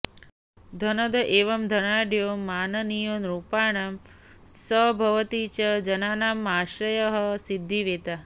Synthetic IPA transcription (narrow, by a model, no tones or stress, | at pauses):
d̪ʱɐnɐd̪ɐʔeːʋɐmd̪ʱɐnaːɖjoːmːaːnɐnijoːnɾupaːɳ̃am | səbʱɐʋɐt̪it͡ʃɐd͡ʒɐnaːnaːmːaːʃɾɐjɐɦɐsid̪ʱːiʋeːt̪a